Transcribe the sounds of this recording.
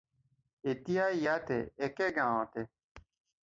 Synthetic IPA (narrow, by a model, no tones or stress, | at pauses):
et̪ijaːjaːt̪ḛekeɡãːãt̪e